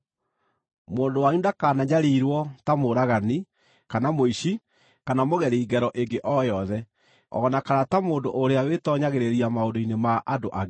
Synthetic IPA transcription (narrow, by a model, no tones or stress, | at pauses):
moːndowaɲundakaːnaɲaɾiɾwɔtamoɾaɣani | kanamoiɕi | kanamoɣɛɾeiɡɛɾɔʔeŋɡeʔɔjɔðɛ | ɔ̰nakanatamoːndoʔoɾeawetɔɲaɣeɾeɾiamaondoinemaʔadoʔa